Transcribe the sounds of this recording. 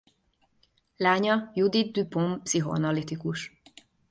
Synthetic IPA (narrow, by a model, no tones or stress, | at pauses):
laːɲɒjud̪it̪̚d̪ypompsiɦoɒ̰nɒlit̪ikuʃ